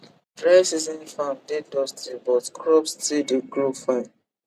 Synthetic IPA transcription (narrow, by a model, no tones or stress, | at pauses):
tɹɛsizĩnfãndedɔstʰibɔtkʰɹɔpstideɡɹofãn